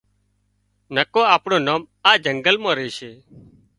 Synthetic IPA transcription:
nəkoːaːpɳoːnoːm | aːd͡ʒəŋɡəlmãːɾeːʃeː

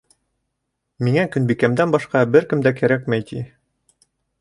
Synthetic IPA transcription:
miŋækɵ̆nbikæmd̪ænbɒʃqɑbɘɾkɘ̆md̪ækæɾækmæjt̪i

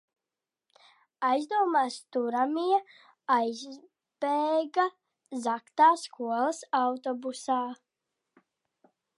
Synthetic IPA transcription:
ajzd̪uɔmaːst̪uɾamiɛ | ajz | b̥eːɡa | zakt̪aːskʰuɔlˠɐsawt̪ɔbusaː

